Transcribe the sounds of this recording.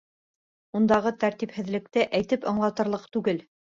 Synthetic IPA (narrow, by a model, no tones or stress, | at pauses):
und̪ɑʁɤt̪æɾt̪iphɘ̆ðlɘ̆k̚t̪ɘʔæjt̪ɘpɤ̆ɴlˠɑt̪ɤ̆ɾlˠɤqt̪ʉɡɘl